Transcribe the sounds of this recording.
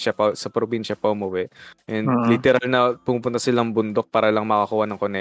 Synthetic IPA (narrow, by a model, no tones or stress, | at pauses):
ʃɐpɐsɐpɾobinʃɐpɐhʊmʊwɛʔɛnd̪lɪt̪ɛɾalnɐpʊmuːpʊnt̪ɐsɪlaʔɐŋbʊnd̪o̞k̚paːɾɐlɐŋmɐkɐkuːhɐnɐŋkonɛ